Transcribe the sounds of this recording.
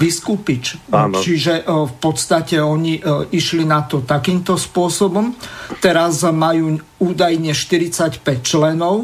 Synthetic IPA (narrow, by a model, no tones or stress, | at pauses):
biskupit͡ʃt͡ʃt͡ʃiʒɛfpɔt̪st̪acɛɔɲiiʃlinat̪ɔt̪akiːmt̪ɔspʊɔsɔbɔmt̪ɛɾazmajuː | uːd̪ajɲɛʃt̪iɾit͡sacpɛct͡ʃlɛnɔʊ